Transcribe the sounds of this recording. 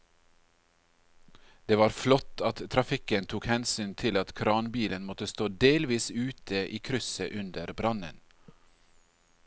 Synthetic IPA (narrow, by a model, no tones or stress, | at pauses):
d̪̥eːʋɑːɾflɔt̪ɑt̪t̪ʰɾɑfɪkənt̪ʰuːkhɛnsyːnt̪ʰɪlɑt̪kʰɾɑːnbiːlənmɔt̪əst̪oːd̪eːlʋiːsʉːt̪ʰəʔiːkʰɾʏsəʔʉnd̪əɾbɾɑnə̰n